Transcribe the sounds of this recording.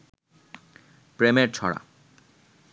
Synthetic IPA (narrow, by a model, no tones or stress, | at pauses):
pɾemeɾt͡ɕʰɔ̰ɽa̰